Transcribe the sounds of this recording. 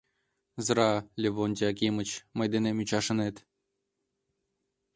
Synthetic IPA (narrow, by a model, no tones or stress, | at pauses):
zɤɾɑlʲeβonʲd̪ʲɑkʲimə̆t͡ɕməjd̪enemyt͡ɕɑʃə̆net̪